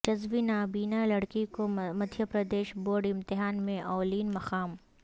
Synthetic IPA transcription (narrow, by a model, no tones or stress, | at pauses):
d͡ʒɐzʋinaːbiːnalɐɽkikomɐd̪ʱjəpɾɐd̪eːʃboːɾɖɪ̃mt̪ɪɦaːnmẽʔɔːliːnmɐxaːm